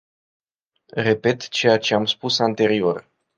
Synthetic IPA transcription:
re̞pe̞t̪t͡ʃe̞jat͡ʃe̞amspusant̪e̞ɾio̞r

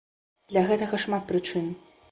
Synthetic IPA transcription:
d̪̥lʲɐɣɛt̪ɐɣɐʂmat̪̚pɾɨt͡ʂɨn

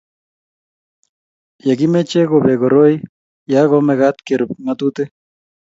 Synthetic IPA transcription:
jaɡimet͡ʃeɡobeɡoɾoj | jaɣomeɣat̪keɾp̚mat̪ut̪e

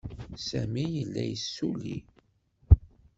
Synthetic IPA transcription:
sæmijəlːæjsːulḭ

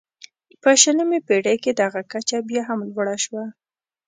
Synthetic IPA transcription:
pəʃələmepeɽajked̪aɣakat͡ʃabjɑɦamlwɽaʃwa

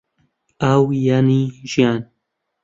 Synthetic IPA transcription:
awjaːniʒijaːn

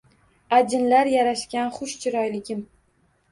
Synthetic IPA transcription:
ad͡ʒɪnlaɾjaɾaʃkʲanχʊʃt͡ʃʰɪɾɒjlɪɡʲɪm

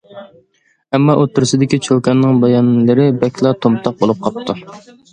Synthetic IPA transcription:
ɛmːɑʔot̪ʰːʊɾɨsɪd̪ɪkʲit͡ʃʰokʲɛnːɪŋbɑjɑnlɨɾɪbɛkʲlˠɑt̪ʰomt̪ʰɑq̚bolˠup̚qʰɑp̚t̪ʰːɨ

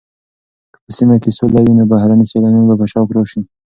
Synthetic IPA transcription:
pəsimakesolajunabahɾaniselanunbapaʃɑwkɾoʃi

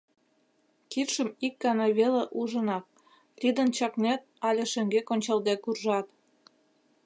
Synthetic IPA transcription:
kit̪ʃəmik̚ɡɑnɑβeleʔuʒə̆nɑk̚ | lʲid̪ə̆nt͡ɕɑknet̪̚ɑlʲeʃĕŋɡekonʲt͡ɕɑld̪ekurʒɑt̪

